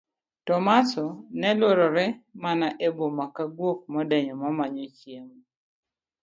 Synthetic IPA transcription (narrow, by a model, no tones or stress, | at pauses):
tɔmasɔnɛloɾɔɾɛmanaʔebomakaɡwok̚mɔdɛɲɔmamaɲɔt͡ʃjem